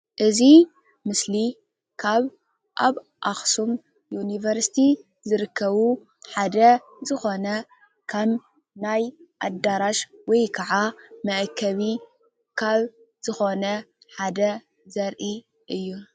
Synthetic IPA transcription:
ʔɨzi | mɨsli | kʰaβ | ʔaβ | ʔaxsum | junivɐɾsi̥t̪ʰi | zɨɾɨkʰːɐβu | ħad̪ɐ | zɨxo̞nɐ | kʰɐm | najʔad̪aɾaʃwɔjkʰɐʕamɐʔkʰːɐβi | kʰaβ | z̥ɨxo̞nɐ | ħad̪ɐ | zɐɾʔi | ʔɨjːu

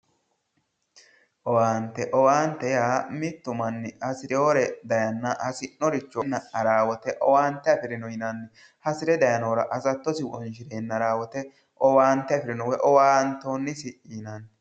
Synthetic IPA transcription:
ʔɔwaːnt̪ːɛʔɔwaːnt̪ːɛjaːmɪt̪ːʊmɐnːɪhɐsɪɾɛoɾɛd̪ɐjɐnːɐhɐsɪnːɔɾɪt͡ʃːɔnːɐʔɐɾaːwɔt̪ɛʔɔwaːnt̪ːɛɐfɪɾɪnɔjɪnɐnːɪ | hɐsɪɾɛd̪ɐjɐnoːɾɐʔɐsɐt̪ːɔsɪwɔnʃɪɾeːnːɐɾaːwɔt̪ɛ | ʔɔwaːnt̪ːɛɐfɪɾɪnɔwɛʔɔwaːnt̪oːnːɪsɪʔɪːnɐn

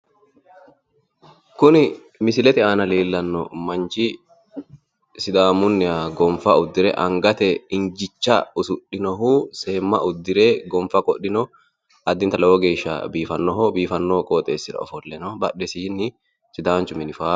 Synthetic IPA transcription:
kʊnɪ | mɪsɪlɛt̪ɪaːnɐleːlːɐnːɔ̰mɐnt͡ʃɪ | sɪd̪aːmʊnːɪaɡɔmfɐʊd̪ːɪɾɛ̰ʔɐŋɡɐt̪ɛɪnd͡ʒɪt͡ʃːɐʊsʊɗɪnɔɦuːse̞ːmːɐ̰ʔʊd̪ːɪɾeːɡɔmfɐkʼɔɗːɪnɔ | ʔɐd̪ːɪnt̪ɐlɛwɔɡe̞ːʃːɐ̰biːfɐnːɔɦɔbiːfɐnːokʼoːt̪ʼḛːsːɪɾɐ̰ɔfɔlːɛnɔbɐɗːɛsiːnːɪ | sɪd̪aːnt͡ʃʊmɪnɪfaː

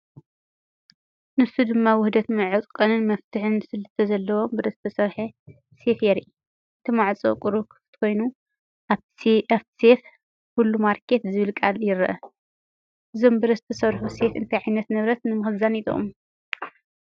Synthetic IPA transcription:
nɨsud̪ɨmːawʊhd̪ɐt̪mɨʕɨt̪ʼkʼɐnɨnmɐft̪ʰɨħɨnsɨlt̪ʰɐzɐlːɐwo̞mbɨd̪ɐst̪ʰɐsɐɾħe | se̞fjeɾiʔ | ɨt̪ʰɨmaʕt͡sʼo̰kʼuɾukʰɨ̥fɨ̥t̪kʰo̞jnu | ʔa | afsef | kulːumaɾkʰe̞t̪zɨβɨlkʼaljɪɾʔɐ | ʔɨzo̞mbɨɾɐst̪ʰɐsɐɾħuse̞t̪ɨ̰nt̪ʰajʕajnɐt̪nɨβɾɐt̪nɨmɨxɨzanit̪ʼo̰m

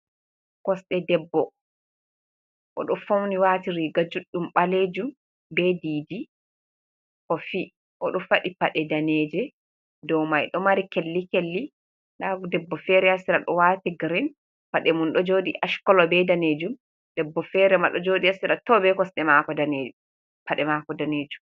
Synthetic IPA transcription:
kɔsɗɛdɛbːɔ | ʔɔ̰ɗɔfowniwatiɾiɡad͡ʒuɗːumɓaled͡ʒum | bɛdiːdi | kɔfi | ʔɔɗɔfaɗipaɗɛdaneːd͡ʒɛ | dɔwmajɗɔmaɾikelːikelːi | ɗadɛbːɔfɛɾɛasiɾaɗɔwaːtiɡɾin | paɗɛmunɗɔd͡ʒodiʔaʃkɔlɔbɛdaned͡ʒum | d̥ɛbːɔfɛɾɛmaɗɔd͡ʒodiasiɾatɔbɛkɔsɗɛmakɔdane | paɗɛmakɔdaneːd͡ʒum

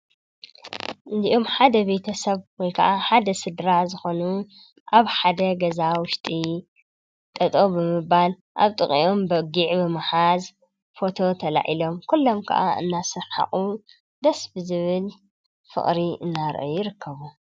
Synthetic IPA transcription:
ʔɨnd̪iʔo̞mħad̪ɐbe̞t̪ʰɐsɐβwɔjkʰɐ̰ʔaħad̪ɐsɨd̪ɾaʕzɨxo̞nu | ʔaβħad̪ɐɡɐzawʊʃt̪ʼi | t̪ʼɐt̪ʼobɨmɨbal | ʔa̰βt̪ʼɨχʼḭʔo̞mbɐɡiʕbɨmaħaz | fo̞t̪ʰo̞t̪ʰɐla̰ʕilo̞mkʰulːo̞mkʰɐ̰ʔa̰ɨ̰nːasɨħa̰χʼu | d̪ɐsbɨzɨβɨl | fɨ̰χʼɾiʔɨnːaɾ̰ʔojɪɾɨkʰːɐβu

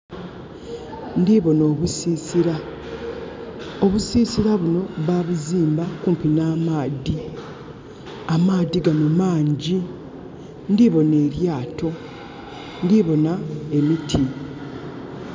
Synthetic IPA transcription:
ndiβo̞no̞ːβusiːsiɾa | oβusiːsiɾaβuno̞βaːβuziːmbakuːmpinaːmaːdi | amaːd̪iɡanumaːɲɟi | ndiβo̞ne̞ːɾjaːto̞ | ndiβo̞nae̞mitʰi

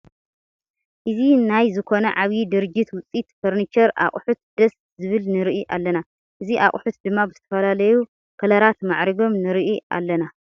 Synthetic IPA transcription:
ʔɨzinajzɨkʰo̞nɐʕaβid̪ɨɾɨd͡ʒit̪wʊt͡sʼit̪foɾnit͡ʃɐɾʔa̰χʼħut̪̚d̪̥ɐs | zɨβɨlnɨɾiʔiʔa̰lːɐna | ʔɨziʔa̰χʼħut̪d̪ɨmːabɨzɨt̪ʰɐfɐlalɐju | kʰɐlɐɾat̪maʕɾɐɡo̞mnɨɾɨʔiʔa̰lːɐna

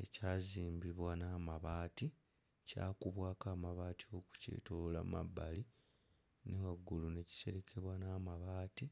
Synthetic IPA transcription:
ecaːziːmbiβwanaːmaβaːti | ca̰ːkuβwaːkaːmaβaːtio̞ku̥cḛːtolola̰ma̰bːali | newaɡːulune̞ci̥se̞ɾekʰe̞βwanaːmaβaːti

